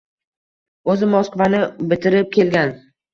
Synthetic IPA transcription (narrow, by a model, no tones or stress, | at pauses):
ɵzɪmɒskvanɪbɪt̪ʰɪɾɪp̚kʲe̞lɡʲan